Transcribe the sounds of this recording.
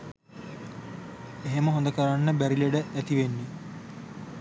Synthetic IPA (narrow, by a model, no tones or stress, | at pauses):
eɦeməɦond̪əkəɾanːəbæɾileɖəʔæt̪iʋenːe